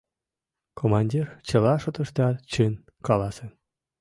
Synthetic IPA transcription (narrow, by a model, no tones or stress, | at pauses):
kʰomɑnʲdʲirt͡ɕɤ̆lˠɑʂŏt̪ɤ̆ʂt̪ɑt͡ɕɨn | kɑlˠɑsĕ